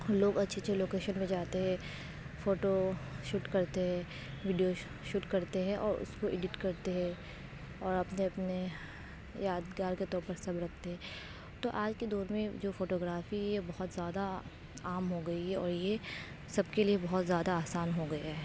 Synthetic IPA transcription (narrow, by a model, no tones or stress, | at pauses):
loːɡɐtːʃʰet͡ʃʰeloːkeːʃənmẽd͡ʒaːt̪eɦɛ̃ | foːʈoʃʊʈkɐɾt̪eɦɛ̃ | ʋɪɖijo | ʃʊʈkɐɾt̪eɦɛ̃ʔɔːɾʊ̰skoʔɪɖɪʈkɐɾt̪eɦɛ̃ | ɔːɾɐpneɐpne | jaːd̪ɡaːɾket̪ɔːɾpɐɾsɐbɾɐkʰt̪eɦɛ̃ː | t̪oʔaːd͡ʒked̪ɔːɾmẽd͡ʒoːfoːʈoːɡɾaːfijebɐɦʊt̪zjaːd̪a | aːmɦoɡɐiɦɛɔːɾje | sɐbkeliebɐɦɔt̪zjaːd̪aaːsaːnɦoɡɐjaɦɛ